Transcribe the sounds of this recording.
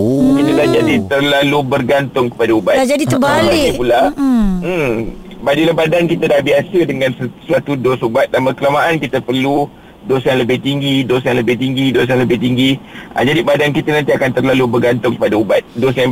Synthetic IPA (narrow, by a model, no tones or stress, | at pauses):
kit̪ədad͡ʒadit̪ərlalubərɡant̪ʊŋkə̥padaubatd͡ʒadit̪əbalipulam̩mbadilabadankit̪ədahbiasədəŋãnsəsat̪udosubat̪̚danbəkəlamaʔankit̪əpərlu | dosjaŋləbɪht̪iŋɡidosjaŋləbɪht̪iŋɡidos̬jaŋləbɪht̪iŋɡiʔa̰d͡ʒadibadankit̪ənãnt̪iakant̪ərlalubərɡant̪ʊŋkə̥padaubat̪̚dosjaŋ